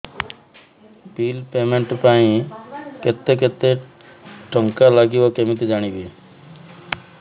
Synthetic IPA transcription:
pilpemeɳʈpaĩket̪ek̬et̪e | ʈɔŋkalaɡibɔkemit̪id͡ʒaɽ̃ibi

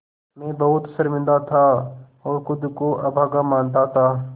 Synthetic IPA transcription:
mẽbɐɦʊt̪səɾmɪ̃nd̪at̪ʰa | ɔːɾxʊd̪koʔɐbʱaːɡamaːnt̪at̪ʰaː

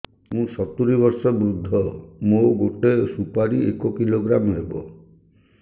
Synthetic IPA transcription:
mũsɔt̪uɾibɔɾsɔbɾud̪ʱːɔmoɡoʈesupaɾiekokiloɡɾamɔɦebɔ̰

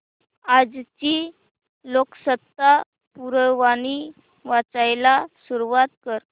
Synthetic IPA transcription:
ad͡zt͡ɕi | loksət̪ːa | puɾəʋañi | ʋat͡sajlasuɾuʋat̪̚kəɾ

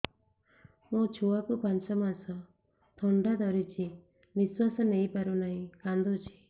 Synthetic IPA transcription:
mũt͡ʃʰuwakupant͡ʃɔmasɔ | t̪ʰɔɳɖad̪ɔɾit͡ʃʰi | biswasɔnejpaɾunaɦĩkand̪ut͡ʃʰi̥

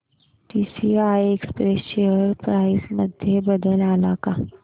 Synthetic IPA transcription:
ʈiːsiajekspɾesɕeəɾpɾajsməd̪ʱjebəd̪əlalaka

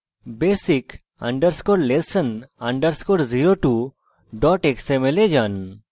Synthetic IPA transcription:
besik | a̰ɳɖəɾskoɾlesənaɳɖəɾskoɾziɾoʈu | ɖɔʈeksemeled͡ʒan

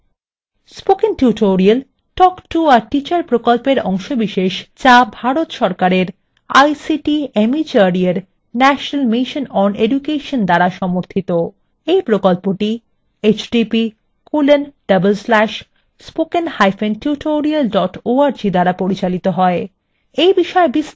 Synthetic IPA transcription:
spokenʈjuʈʰoɾial | ʈɔkʈuaɾʈit͡ɕaɾpɾokolpeɾɔŋʃobiʃeʃt͡ɕabʱaɾot̪ʃɔɾkaɾeɾ | a̰jsiʈiemit͡ɕaɾieɾ | nɛʃonalmiʃonɔneɖukeʃond̪aɾaʃɔmoɾt̪ʰit̪o | ejpɾokolpoʈi | et͡ɕɖipi | kulenɖ̥ɐbelslɛʃ | spokenhajfenʈjuʈʰoɾialɖɔʈoaɾd͡ʑid̪aɾapoɾit͡ɕalit̪oɦɔe | ejbiʃɔebis

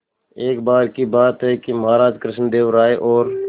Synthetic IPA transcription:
eːkbaːɾkibaːt̪ɦɛkimɐɦaːɾaːd͡ʒkɾɪʃnd̪eːʋɾaːeʔɔːɾ

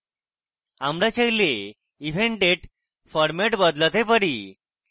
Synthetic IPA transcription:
amɽat͡ɕejle | ifeɳʈeʈ | fɔɾmeʈbəd̪lət̪epəɽi

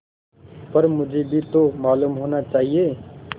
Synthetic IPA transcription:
pəɾmʊd͡ʒʱebʱit̪omaːlumɦoːnat͡ʃaːɦije

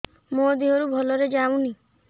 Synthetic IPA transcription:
mod̪iɦɔɾubʱɔlɔɾed͡ʒaw̃ni

